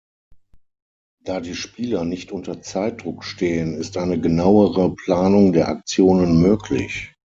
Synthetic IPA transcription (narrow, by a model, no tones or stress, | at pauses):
d̥aːdiːʃpiːlɐnɪçtʔʊntɐt͡saɪt̚d̥ʁʊkʃteːənɪstʔaɪnəɡənaʊəʁəpl̥aːnʊŋdeːɐʔa̰k̚t͡sjoːnənmøːkʰlɪ̰ç